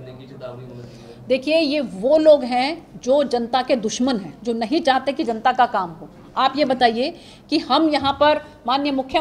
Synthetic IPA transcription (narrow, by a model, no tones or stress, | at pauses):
d̪eːkʰiejeʋoːloːɡɦɛ̃d͡ʒoːd͡ʒɐnt̪aked̪ʊʃmənɦɛ̃ːd͡ʒoːnɐɦĩt͡ʃaːɦt̪ekid͡ʒɐnt̪akakaːmɦoː | aːpjebɐt̪aːie | kihɐmjɐɦãpɐɾ | maːnjəmʊkʰjə